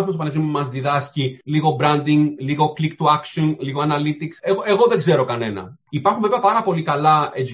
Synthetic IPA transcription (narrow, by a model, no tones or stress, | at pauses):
fms̬pɐnevsimumɐzðiðɐsciliɣo̞bɾɐnd̪iŋɡliɣo̞klikt̪uɐksonliɣoɐnɐlit̪ikseɣoeɣo̞ðeɡze̞ɾo̞kɐne̞nɐ̰ipɐɾxuɱveveɐpɐɾɐpo̞likɐlɐez